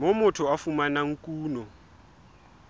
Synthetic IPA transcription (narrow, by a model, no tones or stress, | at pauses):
momʊtʰʊafumanaŋ̩kʼuːnɔ